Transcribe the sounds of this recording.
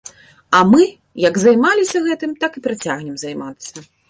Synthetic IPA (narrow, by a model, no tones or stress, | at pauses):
ɐmɨ | jɐɡzajmalʲisʲɐɣɛt̪ɨmt̪akɨpɾat͡sʲaɣnʲɛmzajmat̪sːɐ